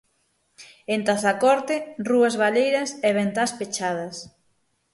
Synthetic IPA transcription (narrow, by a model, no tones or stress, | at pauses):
ent̪aθakɔɾt̪ɪruɐzβalejɾɐsɛβent̪aspet͡ʃað̞ɐs